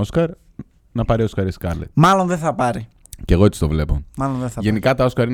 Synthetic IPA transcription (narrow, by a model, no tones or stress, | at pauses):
o̞skɐɾ | nɐpɐɾio̞skɐɾeskɐɾlḛt̪mɐlo̞nðeθɐpɐɾi | ce̞ɣoet̪i̥st̪ovle̞pomɐlonðeθɐʝe̞nikɐt̪ɐo̞skɐɾin